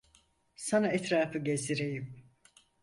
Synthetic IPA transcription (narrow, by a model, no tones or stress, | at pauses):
sanaɛt̪ɾaːfɯɟeziɾejim